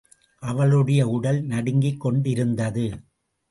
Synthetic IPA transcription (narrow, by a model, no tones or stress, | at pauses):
ʔɐʋɐɭɯɽɐjɐʊɽɐlnɐɽɪŋɡɪkːɔɳɖɪɾɯnd̪ɐðɯ